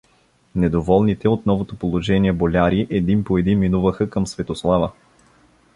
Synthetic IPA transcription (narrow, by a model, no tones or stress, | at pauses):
nɛd̪ovɔlˠnit̪ɛot̪nɔvot̪opolˠoʒɛniɛbolʲaɾiʔɛd̪inpoɛd̪iminuvəxəkəmsvɛt̪oslˠavə